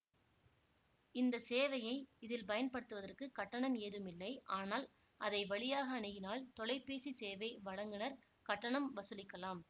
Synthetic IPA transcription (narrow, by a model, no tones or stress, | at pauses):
ɪnd̪ɐseːʋɐjɐɪɪðɪlpɐjɐnpɐɽɯt̪ːɯʋɐðɐrkɯkɐʈːɐɳɐmeːðɯmɪlːɐɪʔaːnaːl | ʔɐðɐɪʋɐɭɪjaːɣɐːnɪɣɪnaːlt̪ɔɭɐɪpːeːsiseːʋɐɪʋɐɻɐŋɡɪnɐɾ | kɐʈːɐɳɐmʋɐsɯlɪkːɐlaːm